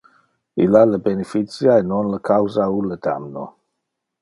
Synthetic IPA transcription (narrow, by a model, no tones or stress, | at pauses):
ilaləbɛnɛfit͡sjaɛnɔnləkʰawzauləda̰mnɔ